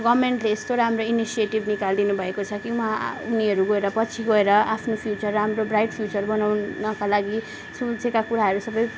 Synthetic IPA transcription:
ɡʌmeɳʈleːst̪oɾʌɦamɾoinisieʈibnikald̪inubʱʌekot͡sʰʌkiɦãuniʌɾuɡʌeɾʌpʌt͡sʰiɡʌeɾʌapʰnopʰjut͡sʌrːɦamɾobrajʈpʰjut͡sʌɾbʌnawnʌkalaɡi | sũd͡zekakuɾaɦʌɾusʌbʌj

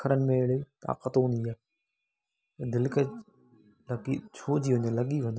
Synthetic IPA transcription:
kʰəɾənɪ̆mẽɪɽet̪a̰ːqət̪õniaː | ed̪ɪlkə | lɐɡit͡ɕʰoːd͡ʑiːʋɐ̃ɲolɐɠiʋɐ̃ɲ

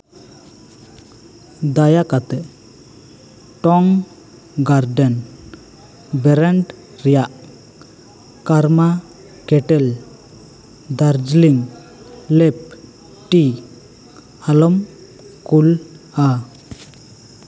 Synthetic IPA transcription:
d̪ajakat̪ɛ | ʈɔŋ | ɡaɾɖən | bɛɾɛɳɖ | ɾijaʔ | kaɾma | keʈɛl | d̪aɾd͡ʒliŋː | ep̚ | ʈi | alɔm | kul | a

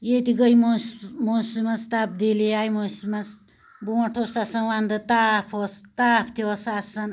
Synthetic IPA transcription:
jet̪iɡəjmomuslimɐst̪ap̚d̪iliajmoslimɐs | buʈʰosasɐnwand̪ɨt̪apʰost̪apʰt̪ʰiosasɐn

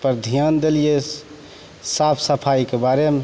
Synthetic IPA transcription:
pəɾd̪ʱijand̪elije | sapʰsəpʰaikebaɾeme

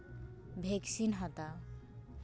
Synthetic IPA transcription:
bʱeksinɦʌt̪a

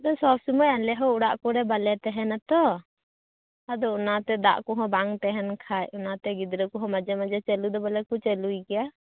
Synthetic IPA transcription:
d̪ɔsɔbsumɔjalɛɦɔuɽaʔkɔɾɛbalɛt̪ɛɦɛnat̪ɔ | ad̪ɔɔnat̪ɛd̪a̰ʔkɔɦɔ̃baŋt̪ɛɦɛnkʰajɔnat̪ɛɡid̪ɾɛkuɦɔ̃mad͡ʒɛmad͡ʒɛt͡ʃɛlud̪ɔbalɛkut͡ʃɛlujkɛja

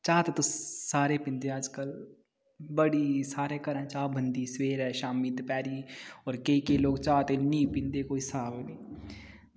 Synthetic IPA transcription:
t͡ʃaːt̪et̪osaːɾeːpɪ̃nd̪eːaːd͡ʒkəl | bəɽiːsaːɾeːkəɾə̃ːt͡ʃaːbʱənd̪iːsweːɾɛːʃaːmiːt̪pɛːɾiːɔːɾkeikeloːɡt͡ʃaːt̪enĩːpɪ̃nd̪eːkoːisaːbniː

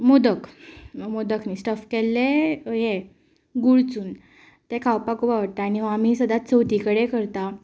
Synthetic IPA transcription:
mod̪əkmod̪əkʰnisʈəfkelːeje | ɡuɽt͡suːn | t̪ekʰawpakupaʋəɽt̪aːñiʋam̤isəd̪at̪̚t͡səwt̪ikəɽekəɾt̪a

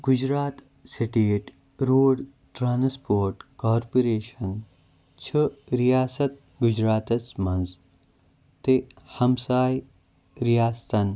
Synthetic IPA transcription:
ɡ̥ud͡ʑɾaːt̪ | siʈeːʈ | ɾoːɖ | ʈɾaːnspoːɾʈkaːɾpoɾeːʃɐn | t͡ʃʰɐɾijaːsɐt̪̚ | ɡud͡ʒɾaːt̪ɐt͡smɐ̃nz | t̪ehɐmsaːj | ɾijaːst̪ɐn

